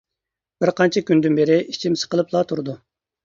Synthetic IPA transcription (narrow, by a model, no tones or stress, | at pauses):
b̥ɪɾqʰɑnt͡ʃʰɛkʲynd̪ynbeɾɪʔit͡ʃʰimsɨ̥qəlˠɨplˠɑt̪ʰuɾɨd̪u